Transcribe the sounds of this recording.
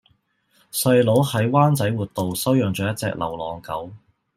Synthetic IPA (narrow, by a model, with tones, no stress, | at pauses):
sɐ˧jlo˨˥whɐ˨˥jwaː˥nt͡sɐ˨˥jwuː˨t̚t̪o˨˧wsɐ˥wjœː˨ŋt͡ʃœː˨˧jɐ˥t̚t͡sɛ̰ː˧k̚lʔɐ̰˨˩wlɔː˨ŋkɐ˨˥w